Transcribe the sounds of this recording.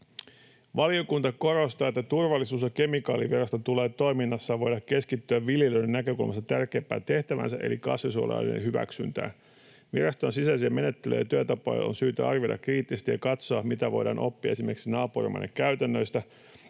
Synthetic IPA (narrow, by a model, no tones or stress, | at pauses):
ʋɑliokunt̪ɑko̞ɾost̪ɑːet̪ːæt̪urʋɑlːisuːsjɑke̞mikɑːliʋirɑst̪ot̪ule̞ːt̪o̞jminːɑsːɑʋo̞jdɑkke̞skit̪ːyæʋʋiljeløɥdenːnækø̞kulmʔɑst̪ɑt̪ærke̞ːmpːæ̰ːt̪eht̪æʋæ̰nsæʔe̞̰likɑ̰sʋisuo̰lɑ̰lḭnḛhyʋæ̰ksy̰nt̪æ̰ː | ʋirɑst̪o̞nsisæsiæme̞ne̞t̪ːelø̰jɑt̪yøt̪ɑpɑ̰jo̰nsyːt̪æɑrʋjodʔɑ̰kriːt̪ːisest̪ijɑkɑt̪soɑmit̪æʋo̞̰jdɑ̰ːnʔo̞̰pːiɑ̰esime̞rksinɑːpurḭmɑ̰jnːḛkkːæyɥt̪ænːø̞jst̪æ